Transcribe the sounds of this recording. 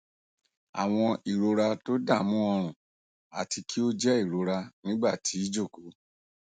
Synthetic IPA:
a̰˨w̃ɔ̃˧i˨ɾo˧ɾa˧to˦da˦˨mũ˦ɔ˧ɾ̃ũ˨ | a̰˨ti˧kʰi˦o˦d͡ʒɛ˦i˦˨ɾo˧˦ɾa˧nĩ˦ɡ͡ba˦˨tʰi˨˦i˦d͡ʒo˦˨ko˨˦

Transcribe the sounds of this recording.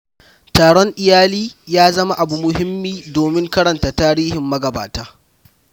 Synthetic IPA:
taː˨ɽɔ˦ŋʔɪ˦jaː˦liː˦jaː˦zɐ˦ma˦ʔa˨bu˨mʊ˨ɦɪ˦mːiː˦doː˨mɪ˦ŋkɐ˦ɽɐ˨nta˨taː˦ɽiː˦hɪ˨mːɐ˦ɡɐ˨ba̰ː˨taː˦

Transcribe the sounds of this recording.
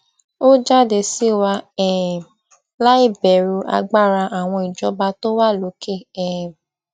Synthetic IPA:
o˦d͡ʒa˦˨de˧si˦wa˧ɛ˦˨ | la˦i˦˨bɛ˨ɾu˧ʔa̰˧ɡ͡ba˦˨ɾa˧ʔa˨w̃ɔ̃˧i˨d͡ʒɔ˨˦ba˧to˦wa˦˨lo˨˦ke˦˨ɛ˨

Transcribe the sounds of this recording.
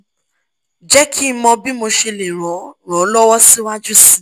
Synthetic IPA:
d͡ʒɛ˦kʰi˦˧mɔ̃˧bi˦mo˧ʃe˧le˨ɾ̃ɔ̃˨˦ɾ̃ɔ̃˨˦lɔ˦wɔ˦si˦wa˦d͡ʒu˦si˦

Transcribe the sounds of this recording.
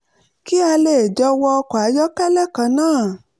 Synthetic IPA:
ki˦a˧le˦˨d͡ʒɔ˧˦wɔ˧ɔ˧kɔ˨a˨˦jɔ˦kɛ˦lɛ˦˨kã˧nãː˦˨

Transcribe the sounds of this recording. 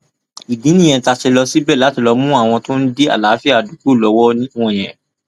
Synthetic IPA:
i˨dĩ˨˦nĩ˦˨j̃ɛ̃˧˦ta˧ʃe˧lɔ˧si˦bɛ˦˨la˨˦ti˦˧˨lɔ˧mũ˦a˦˨w̃ɔ̃˧to˦n̩˦de˦a̰˦˨laː˨˦fi˦a˨du˨˦ku˦˨lɔ˨˦wɔ˦nĩ˦wɔ̃˦˨j̃ɛ̃˨

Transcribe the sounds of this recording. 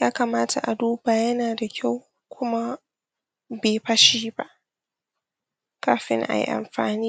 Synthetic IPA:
jaː˦ka˨maː˦tʰa̰˨ʔa˨duː˦baː˨jɐ˦naː˨da˨kʲʰa˦˨w | kʷʰʊ˦ma˦ | beː˨ɸɐ˦ʃiː˦ba̰˦ʔ | kaː˦ɸɪ̰˦ŋʔa̰˨jḭ˦ʔa̰˨mɸa̰ː˨niː˦

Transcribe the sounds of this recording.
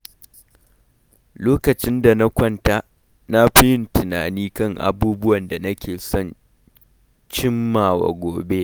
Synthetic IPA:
loː˦kɐ˨t͡ʃɪ˦nda˨na˦kʷɐ˦nta˦ | na˦ɸɪ˦jɪ˦ntɪ˨na̰ː˨niː˦kɐ˦˨ŋʔa̰˨buː˦bʊ˦wɐ˨nda˨nɐ˦kʲeː˨sɔ˦n | t͡ʃɪ˦mːaː˨wa̰˨ɡʷoː˨be˦

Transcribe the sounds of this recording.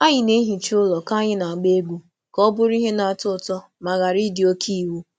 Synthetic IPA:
a˦ɲɪ˨ne˦ɦi˨t͡ʃi˦ʊ˦lɔ˨ka˦ɲɪ˦na˨a˨ɡ͡be˦ɡʷu˦ | kɔ˦bʊ˦ɾi˦ɦe˦na˨a˨tʊ˦˨tɔ˦ | ma˨ɣa˨ɾi˦dɪ˨o˦kʰi˦˨wu˦

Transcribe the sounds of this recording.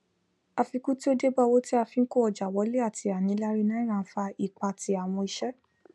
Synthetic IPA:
a˧fi˧ku˦ti˦o˦de˦ba˧˨wo˦ti˦a˧fĩ˨˧n̩˦ko˦ɔ˧˨d͡ʒa˨wɔ˨˦le˦a˦˨tʰi˧a˨nĩ˨˦la˦ɾi˦nã˦ɾ̃ã˧n̩˦fa˧i˦˨k͡pa˧˨ti˧a˨w̃ɔ̃˧i˧ʃɛ˦

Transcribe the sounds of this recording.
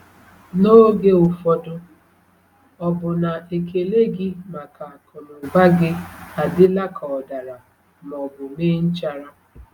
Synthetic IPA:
no˦ɡe˦ʊ˨fɔ˦dʊ˦ | ɔ˦bʊ˨na˨e˨ke˨le˦ɡɪ˦ma˨ka˨a˨kɔ˨nʊ˨ɡ͡ba˦ɡɪ˦a˨dɪ˦la˦kʰɔ˨ɔ˨da˨ɾa˨ | mɔ˨bʊ˨meː˦n̩˦t͡ʃa˦ɾa˦

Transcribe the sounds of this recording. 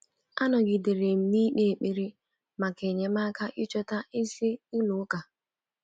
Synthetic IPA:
a˦nɔ˨ɡɪ˨de˨ɾe˨m̩˨mi˦ɗe˦e˨k͡pe˦˨ɾi˦ | ma˨ke˨ɲe˨ma˦ka˦ʔɪ˦t͡ʃɔ˦ta˦ɪ˦si˦i˦nʊ˨˦ka˨

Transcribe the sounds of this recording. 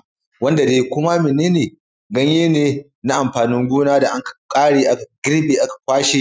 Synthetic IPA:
wɐ˦nda˨deː˨jkʷʊ˦ma˦mɪ˨neː˦neː˨ | ɡɐ˦ɲjeː˦neː˨ | na˦ʔa˨mɸaː˨nɪ˦ŋɡʷuː˦naː˦da˨ʔa˦ŋkḁ˨kʼaː˦ɽeː˨ʔa˦ka˨ɡʲɪ˦ɾbeː˨ʔa˦kḁ˨kʷaː˦ʃi˦

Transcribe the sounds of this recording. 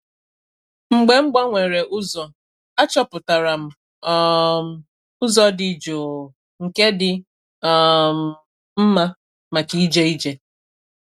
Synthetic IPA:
ŋ͡m̩˨ɡ͡be˨ŋ͡m̩˦ɡ͡ba˦ŋʷe˨ɾe˨ʔʊ˦zɔ˨ | a˦t͡ʃɔ˦pʊ˨ta˨ɾa˨m̩˨ | m̩˨ | ʊ˦zɔ˦dɪ˨d͡ʒo˨ | ŋ̩˨ke˦dɪ˨ | m˨ | m̩˦ma˦ | ma˨t͡ʃi˦i˦d͡ʒe˦i˦d͡ʒe˨

